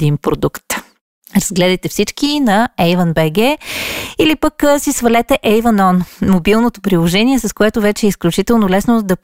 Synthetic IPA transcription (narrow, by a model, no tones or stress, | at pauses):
d̪inpɾod̪ukt̪ | ɾɐzɡlɛd̪ɐjt̪ɛfsit͡ʃkinɐɛjvənbɛɡɛ | ilipəkːsisvɐlɛt̪ɛʔɛjvənɔnmobilˠnot̪o̥pɾilˠoʒɛniɛsɐskoɛt̪ʊvɛt͡ʃɛɛːisklʲut͡ʃit̪ɛlˠnolɛsnod̪ɐ